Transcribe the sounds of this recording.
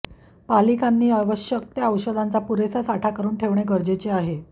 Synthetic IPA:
palikanːiːaʋəɕjək̚t̪jəəwɕəd̪ʱant͡sapuɾesasaʈʰakəɾuːnʈʰeʋɳeɡəɾd͡ʑet͡seaɦe

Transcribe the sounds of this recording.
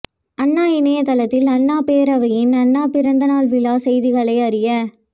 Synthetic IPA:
ɐnːaːɪnɐjɐt̪ɐlɐt̪ːɪlɐɳːaːpeːɾɐʋɐjɪnɐnːaːpɪɾɐnd̪ɐnaːlʋɪlaːsɛjðɪɣɐɭɐɪɐɾɪjɐ

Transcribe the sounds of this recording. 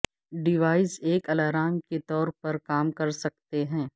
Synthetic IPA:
ɖɪʋaːɪseːkɐlaːɾaːmket̪ɔːɾpɐɾkaːmkɐɾsɐk̚t̪eɦɛ̃ː

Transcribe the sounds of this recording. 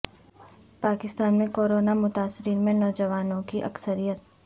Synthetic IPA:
paːkɪst̪aːnmẽkoːɾoːnamʊt̪aːsɪɾiːnmẽnɔːd͡ʒəʋaːnõkiʔɐ̰ksəɾijət̪̚

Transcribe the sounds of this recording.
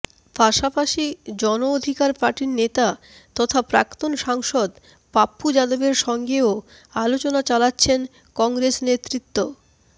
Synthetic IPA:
paʃapaʃid͡ʑɔnood̪ʱikaɾpaɾʈiɾnet̪a | t̪ɔt̪ʰapɾa̰kt̪onʃaŋʃod̪ | papːud͡ʑad̪obeɾʃɔŋɡeo | alot͡ɕonat͡ɕalatːɕʰen | kɔŋɡɾesnet̪ːɾit̪ːo

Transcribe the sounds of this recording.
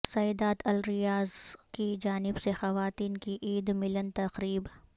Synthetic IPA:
sɐjd̪aːt̪ɐlɾɪjaːzkid͡ʒaːnɪbsexɐʋaːt̪iːnkiʔiːd̪mɪlənt̪ɐqɾiːb

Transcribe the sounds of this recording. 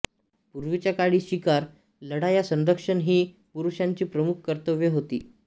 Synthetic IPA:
puɾʋit͡ɕjakaɽiːɕikaɾ | ləɽajasənd̪əkʂəɳɦiː | puɾuʂãɲt͡ɕiːpɾəmukʰkəɾt̪əʋeɦot̪ḭː

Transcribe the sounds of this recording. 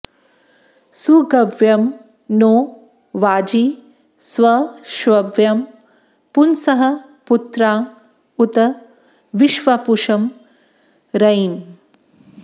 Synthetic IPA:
suɡɐʋjɐm | noː | ʋaːd͡ʒi | sʋɐʃʋɐbjɐm | punsɐɦɐ | put̪ɾaː | ut̪ɐ | ʋiʃʋapuʂɐm | ɾɐjn

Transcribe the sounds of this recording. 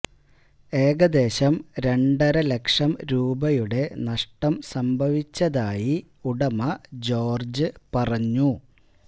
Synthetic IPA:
e̞ːɡɐd̪e̞ːɕɐmɾe̞ɳɖɐɾɐle̞kʂɐmɾuːbɐjuɽe̞nɐʂʈɐmsɐmbʱɐʋit͡ɕːɐðaːji | uɽɐmɐd͡ʑo̞ːrd͡ʑɨpɐrɐɲːu

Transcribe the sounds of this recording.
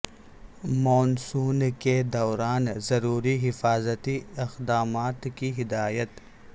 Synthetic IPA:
mɔːnsuːnked̪ɔːɾaːnzɐɾuːɾiɦɪfaːzət̪iɪxd̪aːmaːt̪kiɦɪd̪aːjət̪

